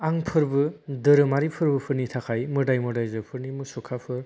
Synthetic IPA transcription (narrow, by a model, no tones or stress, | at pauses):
aŋpʰɯɾbɯdɯɾɯmaɾipʰɯɾbɯpʰɯɾnitʰakʰajmɯɾdajmɯdajzɯpʰɯɾnimɯsɔkʰapʰɯɾ